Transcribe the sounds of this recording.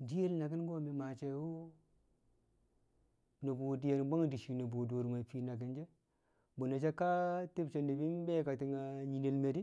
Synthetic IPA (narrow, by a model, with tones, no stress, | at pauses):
di˦je˦lna˨ɡi˦n˦ɡo˦mi˨ma˨t͡ʃe˨˦wo˦ | no˨bu˨di˨ja˨n˨ba˦ŋ˨di˨ʃi˨no˨bu˨du˨ɾma˨fi˨na˨ɡi˦nd͡ʒe˦ | bo˨na˨t͡ʃe˦ka˦ti˦bt͡ʃe˨ndi˨bi˦n˦be˦ka˨ti˨ŋa˨ɲi˨ne˨lme˨di˦